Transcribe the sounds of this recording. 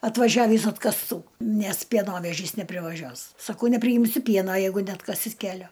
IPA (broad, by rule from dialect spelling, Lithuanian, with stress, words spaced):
ɐtʋɐˈʒʲæːʋʲiːs ɐtkɐsˈtuː ˈnʲɛs pʲiɛˈnoːʋʲɛʒʲiːs nʲɛpʲrʲɪʋɐˈʒʲuɔs sɐˈkɐʊ nʲɛpʲrʲɪˈjɪmʲsʲʊ ˈpʲiɛnɐ ˈjɛɪɡʊ nʲɛɐtˈkɑːsʲɪt ˈkʲæːlʲoː